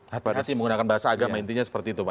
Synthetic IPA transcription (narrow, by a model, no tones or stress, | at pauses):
hat̪at̪iməŋɡunakanbaɦasaːɡamajnt̪iɲasə̥pərt̪iːt̪upa